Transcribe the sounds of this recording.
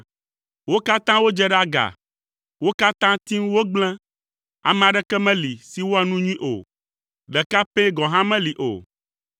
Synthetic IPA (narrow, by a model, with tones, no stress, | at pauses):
wo˦ka˦t̪ã˦wo˦d͡ʒɛ˦ɖa˦ɡa̰˨ | wo˦ka˦t̪ã˦t̪i˦ŋ˦wo˦ɡ͡blɛ̃˦ | a̰˨mɛ̃˨a˨ɖɛ˦kɛ˦mɛ̃˦li˨si˦wo˦a˨nũ˦ɲũ˦ĩ˦ʔo̰˨ | ɖɛ˨ka˦pe˦ɡɔ̃˨ɦã˦mɛ̃˦li˨ʔo̰˨